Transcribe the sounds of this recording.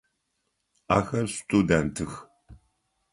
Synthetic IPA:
a̰ːxɐrstʼudɛntʰɨx

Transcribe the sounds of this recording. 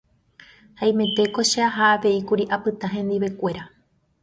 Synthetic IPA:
haĩmẽ̞t̪e̞ko̞ʃeaɦaːʋe̞ikuɾiʔapɨt̪aɦẽ̞nd̪iβe̞kʷe̞ɾa

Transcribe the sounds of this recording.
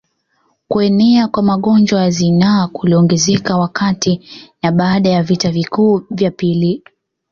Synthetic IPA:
kuɛnɛakwamaɠɔnd͡ʒwajazinakuliɔŋɡɛzɛkawakʰatinaɓaːɗajavitavikuːvjapili

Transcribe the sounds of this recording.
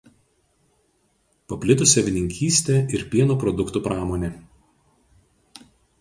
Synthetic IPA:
pɐpʲlʲɪt̪ʊsʲɛʋʲɪnʲɪŋʲkʲiːsʲt̪ʲeːˑɪɾpʲiɛnoːpɾɔd̪ʊkt̪uːpɾɑːmoːnʲeː

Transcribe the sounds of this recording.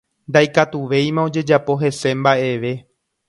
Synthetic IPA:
nd̪ajkat̪uʋe̞jmão̞d͡ʒe̞d͡ʒapo̞ɦe̞se̞mbaʔe̞ʋe̞

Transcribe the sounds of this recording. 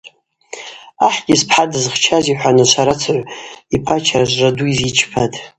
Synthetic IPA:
aħɡʲɪzpʰħadɨzχt͡ʃʰaziħʷanɨʃʷaɾat͡sʰaʕʷipʰat͡ʃʰaʒʷraduizit͡ʃʰpʰadʰʼ

